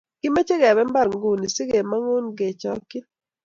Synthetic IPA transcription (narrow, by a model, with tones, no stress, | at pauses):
ɡ̥ɪ˦me˦t͡ʃe˦ɡɛ˨βɛ˦mba˦ɾŋɡu˦˨ni˨sɪ˦ɡe˨ma˦ŋo˦nɡe˨t͡ʃɔ˦kɪ˦